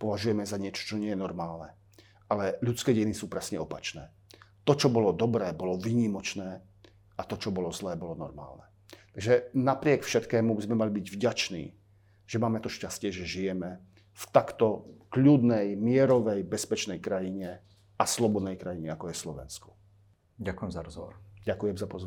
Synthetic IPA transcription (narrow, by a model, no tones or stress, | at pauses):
pɔʋaʒujɛmɛzaɲɪɛt͡ʃɔ̥t͡ʃɔɲɪɛjɛnɔɾmaːlnɛ | ʔalɛʎut͡skɛːɟɛjinisuːpɾɛsɲɛɔpat͡ʃnɛ̰ː | t̪ɔt͡ʃɔbɔlɔd̪ɔbɾɛːbɔlɔviːɲimɔt͡ʃnɛː | at̪ɔt͡ʃɔbɔlɔzlɛːbɔlɔnɔ̰ɾma̰ːlnɛ | t̪aɡʒɛnapɾɪɛkfʃɛt̪kɛːmubizmɛmalibiɟvɟat͡ʃnḭː | ʒ̥ɛmaːmɛt̪ɔʃcascɪɛʒɛʒijɛmɛ | ft̪akt̪ɔkʎuːd̪nɛjmɪɛɾɔʋɛjbɛspɛt͡ʃnɛjkɾajiɲɛ | aslɔbɔd̪nɛjkɾajiɲɛakɔjɛslɔʋɛ̰nskɔ̥ | ɟakujɛmzaɾɔzɔʋɔ̰ɾɟakujɛmzapɔz